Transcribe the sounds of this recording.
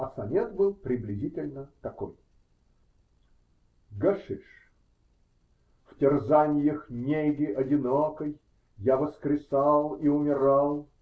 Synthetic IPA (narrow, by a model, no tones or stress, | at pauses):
ɐsɐmʲet̪bɨlˠpɾʲɪblʲɪzʲitʲɪlʲnət̪ɐko̰j | ɡɐʂɨʂ | ftʲɪrzanʲɪjəxnʲeɡʲɪʔɐdʲɪnokəjː | avəskɾʲɪsalˠiʊmʲɪɾalˠ